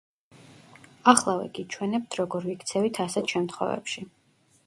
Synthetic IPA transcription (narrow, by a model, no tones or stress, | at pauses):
aχlˠavɛ̰ɡit͡ʃʰwɛnɛp̚t̪ʰɾɔɡɔɾvikt̪sʰɛvit̪ʰasɛt̪ʰʃɛmt̪χwɔ̰vɛ̰pʃi